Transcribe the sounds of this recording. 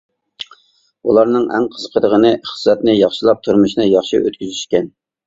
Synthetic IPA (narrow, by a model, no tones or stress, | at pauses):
ulˠɑɾnɨŋʔɛ̰ŋqʰəzəqʰəd̪əʁənɨχə̥sːɛt̪nɪjɑχʃilˠɑp̚t̪ʰuɾmuʃnɨjɑχʃḭʔøt̪kʲyzyʃkʲɛn